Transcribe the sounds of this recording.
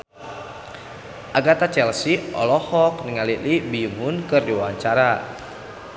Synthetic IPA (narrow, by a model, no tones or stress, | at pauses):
ʔaɡat̪at͡ʃɛlsiʔɔ̰lɔhɔk̚niŋalilibiumʊnkɨrdiwaɲt͡ʃaɾa